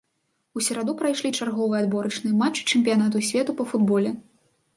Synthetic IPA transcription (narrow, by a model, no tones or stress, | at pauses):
usʲɐɾad̪upɾajʂlʲit͡ʂarɣɔvɨjɐd̪bɔɾɐt͡ʂnɨjɐmat͡ʂːɨ̥t͡ʂɛmʲpʲijanat̪usʲvʲɛt̪upɐfud̪bɔlʲɛ